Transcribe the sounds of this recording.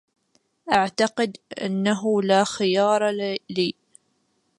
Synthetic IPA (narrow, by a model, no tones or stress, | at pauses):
ʔaʕt̪ɑqɪd̪ʔa̰nːaɦʊlaxɪjɑːɾˤɑliː